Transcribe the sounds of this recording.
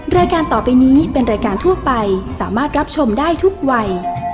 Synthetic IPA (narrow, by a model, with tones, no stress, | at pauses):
ɾaː˧jkaː˧nt̪ɔː˨˩pa˧jniː˦˥pe˧nɾaː˧jkaː˧nt̪ʰu˥˩ɐpa˧jsaː˩˦maː˥˩t̪̚ɾa˦˥p̚t͡ɕʰo˧mdaː˥˩jt̪ʰu˦˥k̚wa˧j